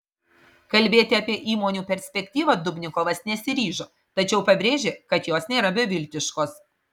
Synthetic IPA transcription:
kɐlʲbʲeːt̪ʲɪɐpʲiɛʔiːmoːnʲuːpʲɛɾʲsʲpʲɛkʲt̪ʲiːʋɐd̪ʊbʲnʲɪkoːʋɐsnʲɛsʲɪɾʲiːʒoː | t̪ɐt͡ʃʲɛʊpɐbʲɾʲeːʒʲekɐt̪joːsnʲeːɾɐbʲɛʋʲɪlʲt̪ʲɪʃkoːs

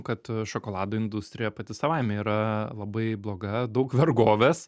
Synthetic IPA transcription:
kɐt̪ʃokoːlˠɑːd̪oːɪnd̪ʊsʲt̪ʲɾʲɪjɛpɐt̪ʲɪsɐʋaɪmʲɛiːɾɐlˠɐbɐɪblˠoːɡɐd̪ɐʊkʋʲɛɾɡoːʋʲeːs

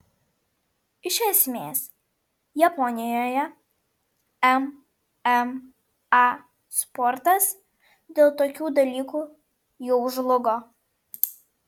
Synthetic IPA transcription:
ɪʃʲɛsʲmʲeːs | jɐpɔnʲɪjoːjɛ | ɛm | ɛm | ɑ | spɔɾt̪ɐs | d̪ʲeːlˠt̪oːkʲuːd̪ɐlʲiːkuː | jɛʊʒlˠʊɡoː

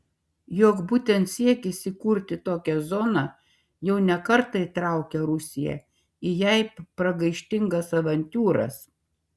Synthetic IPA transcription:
joːkbuːt̪ʲɛnt̪sʲiɛkʲɪsʲɪkuɾʲt̪ʲɪt̪oːkʲɛzɔnɑ | jɛʊnʲɛkɐɾt̪ɐit̪ɾɑˑʊkʲɛɾʊsʲɪjɛ̰ | ɪjɛɪpɾɐɡɐɪʃʲt̪ʲɪŋɡɐsɐʋɐnʲt̪ʲuːɾɐ̰s

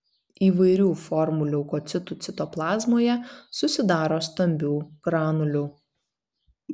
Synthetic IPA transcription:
iːʋɐɪɾʲuːfɔɾmʊlʲukoːt̪sʲɪt̪ʊt̪sʲɪt̪oːplˠɑːzmoːjɛsʊsʲɪd̪ɑːɾoːst̪ɐmʲbʲuːɡ̥ɾɑːnʊlʲuˑ

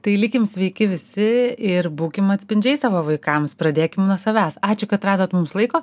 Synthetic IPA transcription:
t̪ɐɪlʲɪkʲɪmsʲʋʲɛɪkʲɪʋʲɪsʲɪɪɾbuːkʲɪmɐt̪ʲsʲpʲɪnʲd͡ʒʲɛɪsɑːʋoːʋɐɪkɐmspɾɐd̪ʲeːkʲɪmnuɔsɐʋʲæːsɑːt͡ʃʲʊkɐt̪ɾɑːd̪oːt̪mʊmslˠɐɪkoː

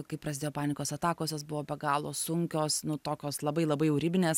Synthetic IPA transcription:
kɐɪprɐsʲd̪ʲeːjoɔpɑːnʲɪkoːsɐt̪ɑːkoːsʲoːs̬bʊʋoːbʲɛɡɑːlˠo̰ːsʊŋʲkʲoːsnʊt̪oːkʲoːslˠɐbɐɪlˠɐbɐɪɛʊɾʲɪbʲɪnʲeːs

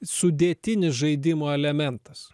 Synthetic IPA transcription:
sʊd̪ʲeːt̪ʲɪnʲɪsʒɐɪd̪ʲɪmoːɛlʲɛmʲɛnt̪ɐs

